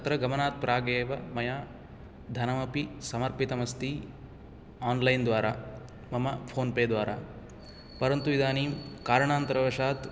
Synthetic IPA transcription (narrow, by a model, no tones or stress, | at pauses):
ɐt̪ɾɐɡɐmɐnaːt̪̚pɾʔaːɡeːʋɐmɐjaː | d̪ʱɐnɐmɐpisɐmɐɾpit̪ɐmɐst̪i | aːnlɐjnd̪ʋaːɾaː | mɐmɐpʰoːnpeːd̪ʋaːɾa̰ː | pɐɾɐnt̪uid̪aːniːmkaːɾɐɳaːnt̪ɐɾɐʋɐʃaːt̪